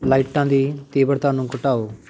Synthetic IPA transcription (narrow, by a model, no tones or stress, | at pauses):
laːiʈãːd̪iːt̪eːbəɽt̪ãːnũːkʊʈaːoː